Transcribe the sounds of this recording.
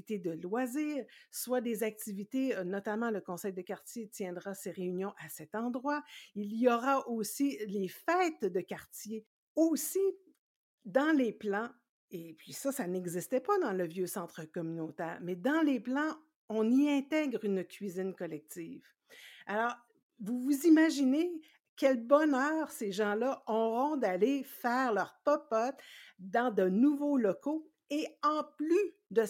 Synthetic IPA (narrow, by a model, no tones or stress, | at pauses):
t̪ed̪əlwaziːʁswad̪ezak̚t̪ivit̪enɔt̪amɑ̃ləkɔ̃sɛjd̪əkʲaʁt̪jet̪jɛ̃d̪ʁaseʁeynjɔ̃ʔasɛt̪ɑ̃d̪ʁwailijɔʁaʔosilefɛt̪d̪əkʲaʁt̪je | osi | d̪ɑ̃leplɑ̃ | epɥisasanɛɡzist̪ɛpad̪ɑ̃ləvjøsɑ̃t̪χəkɔmynot̪ɛːʁmɛd̪ɑ̃leplɑ̃ | ɔ̃niɛ̃t̪ɛɡʁynkʲɥizɪnkɔlɛk̚t̪iːv | alɔːʁ | vuvuzimaʒine | kʲɛlbɔnœːʁseʒɑ̃lʌʔɔʁɔ̃d̪alefɛːʁlœʁpɔpɔt̪d̪ɑ̃d̪ənuvolɔko | eɑ̃ply | d̪ə